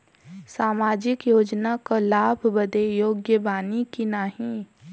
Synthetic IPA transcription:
saːmaːd͡ʒɪkjoːd͡ʒnakolaːbʱbəd̪ejoːɡjəbaːnikinaɦĩ

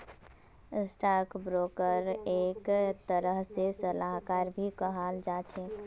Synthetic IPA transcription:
sʈaɾkbɾokəɾekt̪əɾəɦsesəlaɦkaɾbʱikəɦald͡ʒat͡ʃʰek

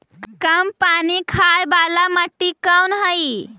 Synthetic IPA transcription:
kəmpanikʰajbalaməʈːikəwnɦəj

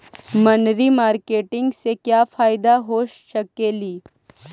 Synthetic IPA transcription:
mɐnɾimaːɾkeːʈɪ̃ŋɡsekjaːfaːɪd̪aɦoːʃʃɐkeːliː

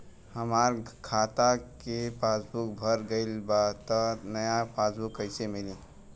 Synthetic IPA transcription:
həmaːɾkʰaːt̪akepaːsbuk̚bʱəɾɡəɪlbat̪ɔnəjapasbukəɪsemɪlĩ

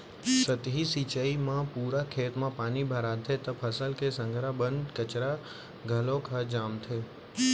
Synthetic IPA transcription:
sət̪ɦisit͡ʃəimãpuːɾakʰeːt̪mãpaːnibʱəɾat̪ʰet̪əpʰəsəlkesə̃ŋɡʱɾabənɖkət͡ʃɾa | ɡʱəlõkʰəd͡ʒaːmt̪ʰeː

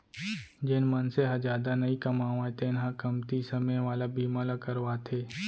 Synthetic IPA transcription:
d͡ʒɪnmɐnseɦɐd͡ʒaːd̪anɐikɐmaːʋãet̪ʰenɦãkɐmt̪isɐmẽʋaːlabʱiːmalakɐɾʋaːt̪ʰeː

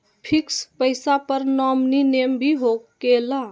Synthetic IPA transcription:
pʰikspəɪsapəɾnɔmninembʱiɦokela

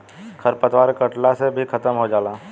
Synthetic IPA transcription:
kʰəɾpət̪waːɾkəʈlasebʱikʰət̪əmɦod͡ʒaːlaː

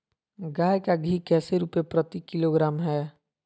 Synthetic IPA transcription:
ɡaːjkaɡʱikɛːseɾuːpepɾət̪ikɪloɡɾaːmɦɛː

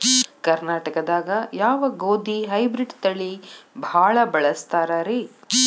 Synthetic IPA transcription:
kɐɾnaːʈɐkɐd̪aːɡɐjaːʋɐɡoːd̪iɦɐjbɾiɖt̪ɐɭːibʱaːɭɐbɐɭɐst̪aːɾaːɾe

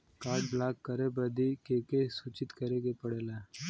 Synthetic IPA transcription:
kaːʈ̚blaːkːəɾeːbəd̪iːkeːkesuːt͡ʃɪt̪kəɾeːɡepəɽeːlaː

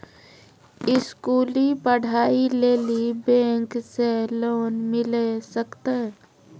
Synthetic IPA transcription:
ɪskuːlipəɽ̤aːileːlibẽːŋkseloːnmɪlesəkt̪e

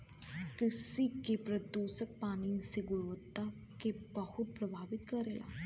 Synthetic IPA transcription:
kɪsikepɾəd̪uːsək̚paːniseɡʊɽʋət̪ːa | kebəhʊt̪̚pɾəbʱaːʋɪt̪kəɾeːla̰ː

